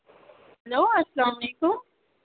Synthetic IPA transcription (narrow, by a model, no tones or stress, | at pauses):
hɐloːɐslaːmɐleːkʊm